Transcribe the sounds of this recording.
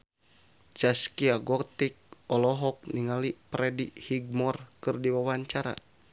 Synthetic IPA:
t͡ʃaskiaɡɔt̪ik̚ɔlɔɦɔk̚niŋalipɾɛdihiɡ̚mɔrkɨrdiwawaɲt͡ʃaɾa̰

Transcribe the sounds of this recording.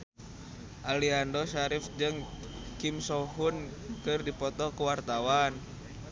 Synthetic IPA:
ʔaliandɔʃaɾifd͡ʒɨŋ | kimsɔɦunkɨrdipɔt̪ɔkuwart̪awan

